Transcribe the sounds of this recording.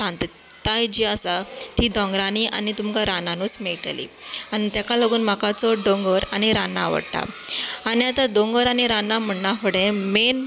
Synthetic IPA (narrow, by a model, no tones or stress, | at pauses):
ãnt̪ | t̪ajd͡ʑiːasat̪iːd̪ɔ̃ŋɡɾaniʔa̰nit̪umkaɾananuːsmeʈlḭanit̪jakaləɡuːnmakat͡sɔɖɔŋɡəɾañiɾanːa̰ʋə̰ɽt̪a̰aniat̪ad̪oŋɡəɾañiɾanam̤əɳːafəɽẽmen